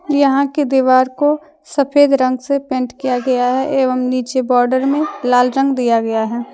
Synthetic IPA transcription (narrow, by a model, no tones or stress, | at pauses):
jɐɦãked̪iʋaːɾko | sɐpʰeːd̪ɾə̃ŋɡsepẽːɳʈkijaɡɐjaɦɛʔeːʋəmniːt͡ʃebɔːɾɖəɾmẽlaːlɾə̃ŋɡd̪ijaɡɐjaɦɛː